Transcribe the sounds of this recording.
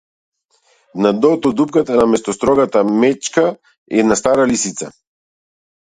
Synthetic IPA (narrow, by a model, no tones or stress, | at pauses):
nad̪ɔt̪ɔd̪upkat̪anamɛst̪ɔst̪ɾɔɡat̪amɛt͡ʃka | ɛd̪nast̪aɾalisit̪sa